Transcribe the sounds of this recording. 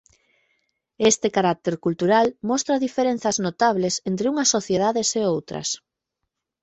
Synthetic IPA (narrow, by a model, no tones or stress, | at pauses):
est̪ekaɾak̚t̪eɾkult̪uɾalmɔst̪ɾɐðifeɾẽn̟θɐznot̪aβlesent̪ɾɪuŋɐsːoθjeðaðeseowt̪ɾɐ̰s